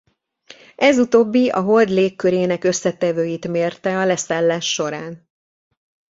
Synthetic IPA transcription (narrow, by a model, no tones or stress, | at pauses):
ʔɛzut̪oːbːiɒ̰ɦo̞ld̪leːkːøɾeːnɛkø̞sːɛt̪ɛvøːjit̪meːrt̪ɛɒlɛsaːlːaːʃːo̞ɾaːn